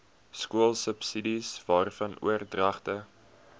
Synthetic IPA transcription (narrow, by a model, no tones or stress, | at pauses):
skuəlˠsəpsidisvɑːrfɐnʔṵərdrɐχtə